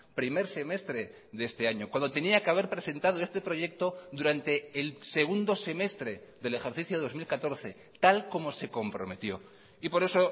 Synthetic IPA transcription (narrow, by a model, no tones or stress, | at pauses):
pɾime̞ɾse̞me̞st̪ɾe̞ | ðee̞st̪e̞aɲo̞kwand̪ot̪e̞niakeaβe̞ɾpɾe̞se̞nt̪að̞o̞e̞st̪e̞pɾo̞ʝe̞k̚t̪o̞ðuɾant̪e̞ːlse̞ɣ̞und̪o̞se̞me̞st̪ɾe̞ðe̞le̞xeɾθiθjoo̞zmilkat̪o̞ɾθe̞ | t̪alko̞mo̞se̞ko̞mpɾo̞̰me̞t̪jo̞ | ipo̞ɾe̞so